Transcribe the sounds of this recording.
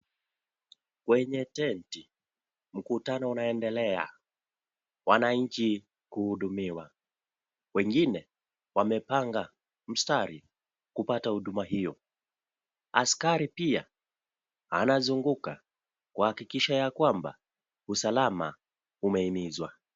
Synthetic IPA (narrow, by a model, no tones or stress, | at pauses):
kwɛɲɛtɛnti | m̩kutanɔunaɛndɛlɛa̰ | wanaɲ̩t͡ʃi | kuhuɗumiwa | wɛŋɡinɛ | wamɛpaŋɡa | m̩staɾi | kupatahuɗumaɦijɔ | askaɾipia | hanazuŋɡuka | kahakikiʃajakwamba̰ | usalama̰ | umɛimizwa